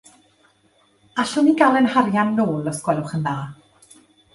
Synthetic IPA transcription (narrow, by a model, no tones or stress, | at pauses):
aɬɔniɡalˠənharjanːoːlˠɔskwɛlʊχənðaː